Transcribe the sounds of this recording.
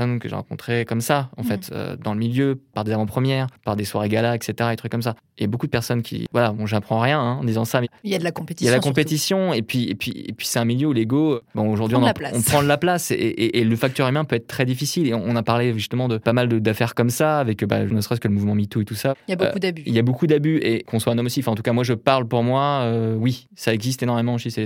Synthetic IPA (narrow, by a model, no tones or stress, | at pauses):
sɔnkəʒḛʁɑ̰̃kɔ̃t̪χekɔmsaɑ̰̃fɛt̪ø̰d̪ɑ̃ləmiljøpaʁd̪ezavɑ̃pχəmjɛːʁpaʁd̪eswaʁeɡalaɛkset̪eʁad̪et̪χykːɔms̬a | ljabokud̪əpɛʁsɔnkʲʰḭvwalabɔ̃ʒəapχɑ̃ʁjɛ̃ɛ̃d̪izɑ̃samɛjad̪lakɔ̃pet̪ilad̪lakɔ̃pet̪isjɔ̃epɥiḛpɥḭḛpɥisɛt̪ɛ̃miljøuleɡobɔ̃oʒuʁd̪ɥiɔ̃npɔ̃pχɑ̃d̪əlaplaseʔeʔeləfak̚t̪yʁymɛ̃pøɛt̪χt̪χɛd̪ifisileɔ̃ɔ̃napaʁleʒyst̪əmɑ̃d̪əpamald̪əd̪afɛʁkɔmsaːvɛkːəba̰ʒnəsʁɛskələmuvmɑ̃mit̪uet̪usaabokud̪abyiljabokud̪abyekɔ̃swaɛ̃nɔmosiɑfɛ̃ɑ̃t̪u̥kamwaʒəpaʁlpuʁmwaøwi | saɛɡzist̪enɔʁmemɑ̃osisɛ